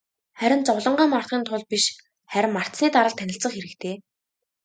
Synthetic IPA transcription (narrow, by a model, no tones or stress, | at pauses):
χæɾʲɪ̆nt͡sɔwɮə̆ɴɢaːmɔr̥t̪̚χiːnt̪ʰʊɮpiʃ | χæɾʲɪ̆mːar̥t̪sniːt̪aɾə̆ɮt̪ʰːænʲɪ̆ɬt͡sə̆χxeɾɘ̆kt̪ʰeː